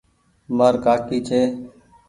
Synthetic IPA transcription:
maːɾkaːkiːt͡ʃʰeː

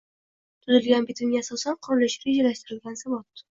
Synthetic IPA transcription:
t̪ʰʊzɪlɡʲanbɪt̪ʰʊmɡʲaasɒsanqʰʊɾɪlɪʃɾed͡ʒalaʃt̪ɪɾɪlɡʲansavɒt̪̚

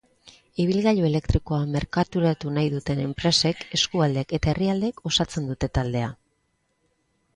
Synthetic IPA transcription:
iβ̞ilɣaʎoe̞le̞kt̪ɾiko̞ame̞ɾkat̪uɾat̪unajðut̪e̞ne̞mpɾe̞se̞ke̞skuald̪eke̞t̪ae̞riald̪e̞ːko̞sat͡se̞nd̪ut̪e̞t̪ald̪e̞a

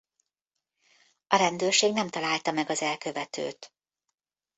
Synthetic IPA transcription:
ɒɾɛnd̪øːrʃeːɡnɛmt̪ɒlaːlt̪ɒmɛɡɒzɛlkø̞vɛt̪ø̰ːt̪

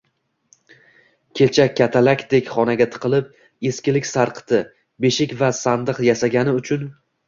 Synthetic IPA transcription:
kʲʰe̞lt͡ʃʰakʲʰːat̪ʰalakʲd̪e̞kʲχɒnaɡʲat̪ʰɨ̥qʰɨlˠɪp̚ | eskʲɪlɪkʲsaɾqʰt̪ʰɪ | be̞ʃɪkʲvasand̪ɨqjasaɡʲanɪʊt͡ʃʰʊn

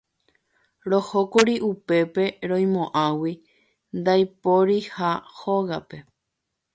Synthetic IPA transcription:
ɾo̞hokuɾiʔupe̞pe̞ɾõj̃mõ̞ʔãwi | nd̪ajpoɾihahoɣape̞

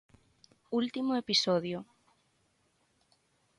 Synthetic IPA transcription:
ult̪imoepisoðjo

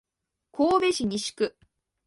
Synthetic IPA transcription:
kʰoːbe̞ɕiɲ̟iɕi̥kɯ̟

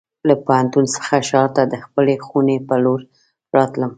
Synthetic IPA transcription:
lapohant̪unsə̥xaʃɑɾt̪ad̪əxpəlexunepəloɾ | ɾɑt̪ləm

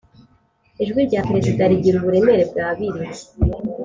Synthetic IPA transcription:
eʒɡwiɾɟaːpɾeziɡaɾiɟiɾuβuɾende̞ɾe̞b̚ɡaːβiɾi

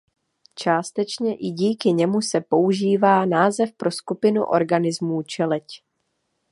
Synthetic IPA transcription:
t͡ʃaːst̪ɛt͡ʃɲɛʔɪɟiːkɪɲɛmusɛpo̞uʒiːvaːnaːzɛfpɾo̞skupɪnṵʔo̞̰ɾɡanɪzmuːt͡ʃɛlɛc

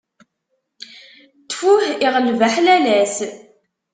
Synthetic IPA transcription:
t̪ːfuħiʁəlvæħlælæs

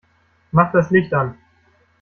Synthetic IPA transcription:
maχd̥aslɪçtan

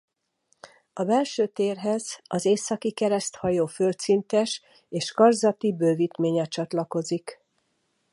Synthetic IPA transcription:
ɒbɛlʃøːt̪eːrɦɛzɒzeːsɒkikɛɾɛst̪hɒjoːfølt̪sint̪ɛʃ | eːʃkɒrzɒt̪ibøːviːt̪meːɲɛt͡ʃɒt̪lɒko̞zik

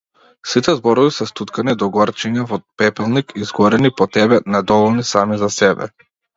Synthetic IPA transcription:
sit̪ɛzbɔɾɔvisɛst̪ut̪kanid̪ɔɡɔɾt͡ʃɛɲavɔpɛpɛlˠnikizɡɔɾɛnipɔt̪ɛbɛnɛd̪ɔvɔlˠnisamizasɛbɛ̰

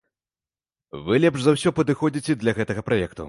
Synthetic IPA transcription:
vɨlʲɛpʂzawsʲɔpɐd̪ɨxɔd͡zʲit͡sʲɛd̪lʲɐɣɛt̪ɐɣɐpɾajɛkt̪ṵ

